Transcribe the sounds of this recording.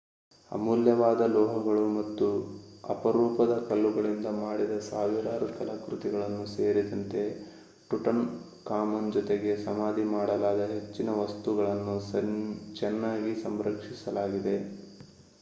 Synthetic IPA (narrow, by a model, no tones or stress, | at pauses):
ɐ̰muːljɐʋaːd̪ɐlɔːɦɐɡɐɭumɐt̪ːuɐ̰pɐɾuːpɐd̪ɐkɐlːuɡɐɭind̪ɐmaːɽid̪ɐsaːʋiɾaːɾukɐlɐkɾut̪iɡɐɭɐnːuseːɾid̪ɐnt̪e̞ | ʈuʈɐn | kaːmɐnd͡ʒɔt̪eɡe̞sɐmaːd̪ʱimaːɽɐlaːd̪ɐɦe̞t͡ʃːinɐʋɐst̪uɡɐɭɐnːu | t͡ʃɛnːaːɡisɐmɾɐkʂisɐlaːɡid̪e̞